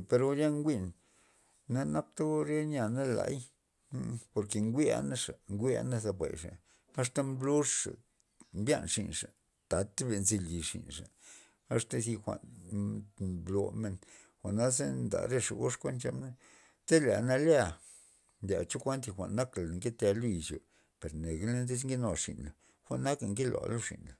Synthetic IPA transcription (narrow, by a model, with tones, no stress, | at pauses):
pe˧ɾo˧ja˦ŋɡʷi˦˧n | na˦na˦k̚t̪a˦ɾe˦ɲa˧˨na˦la̰˧˦j | po˧ɾke˨ŋɡʷi˦a̰˦na˦ʂa˨ŋɡʷi˦a̰˧˦na˦za˧bʷḛ˨jʂa̰˨ | a˦ʂt̪a˦mblo˦ʂʂa̰˨ | mbja̰˦nʂi˨nʂa̰˨ | t̪a˨t̪be˧˨nzi˧li˨ʂḭ˨nʂa̰˨ | a˦ʂt̪a˦si˧xʷa̰˨n | blo˧me˧n | xʷa˨ʔna˦ze˦nd̪a̰˨ɾe˦ʂa̰˨ɡo˦ʂkʷe˦nt͡ʃa˧mna˦ | te˦la̰˨na˧lja˦˨ | nd̪ʲa̰˨t͡ʃo˦kʷa˦nt̪̬i˧xʷa̰˨ʔnːa˦kla˨ŋke˦t̪e˧lo˦ji˨t͡ʃo̰˨ | pe˨ɾne˨ɡe˦le˦nd̪i˦sŋɡi˦no˧˨ʂḭ˨nla˨ | xʷa˨ʔnːa˦ka˨ŋke˦lo̰˨lo˦ʂḭ˨nla˨